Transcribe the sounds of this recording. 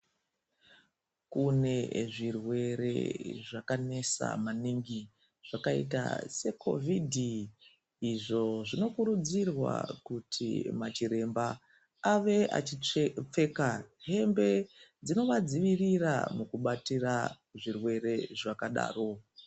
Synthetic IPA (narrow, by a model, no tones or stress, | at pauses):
kune̞ʐirwe̞ɾe̞̰ʐakane̞sa̰maniŋɡi | ʐ̥akaḭta̰se̞kʰo̞̰vʱidʱi | iʐo̞ʐino̞kuɾud͡zirwa̰kutʰḭmat͡ʃiɾe̞mba | aʋe̞a̰ip͡fe̞kaɦe̞mbe̞d͡zino̞ʋad͡ziʋirira̰mukuɓatira | ʐirwe̞ɾe̞ʐakaɗa̰ːro̞